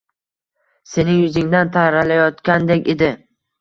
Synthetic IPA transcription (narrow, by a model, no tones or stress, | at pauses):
se̞nɪŋjʊzɪŋd̪ant̪ʰaɾalajɒt̪kʲand̪ekʲe̞d̪ɪ